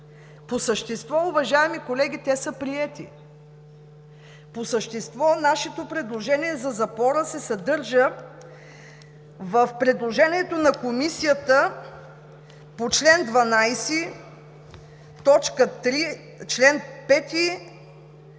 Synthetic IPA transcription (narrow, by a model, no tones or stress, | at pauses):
posəʃt̪ɛst̪vɔʊvɐʒaɛmikolɛɡ̟ʲit̪ɛsəpɾiɛt̪ḭ | posəʃt̪ɛst̪vɔnaʃɛt̪opɾɛd̪lˠoʒɛniɛzɐzɐpɔɾəsɛsɐd̪ɤɾʒə | vəfpɾɛd̪lˠoʒɛniɛt̪onɐkomisijət̪ə | pot͡ʃlɛnd̪vɐnajsi | t̪ɔt͡ʃkət̪ɾi | t͡ʃlɛnpɛt̪i